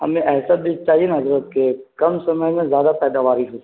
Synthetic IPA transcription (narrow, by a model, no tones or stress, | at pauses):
ɦɐ̰mẽʔɛːsabit͡ʃaːɦienɦɐzɾət̪̚kekɐmsɐməɦmẽzjaːd̪apɛːd̪aʋaːɾiɦʊs